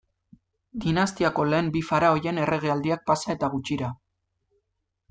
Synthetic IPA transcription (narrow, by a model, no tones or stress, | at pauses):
d̪inast̪iako̞le̞ːmbifaɾao̞je̞ne̞rʔe̞ɣ̞eald̪iak̚pasae̞t̪aɣ̞ut͡ʃiɾa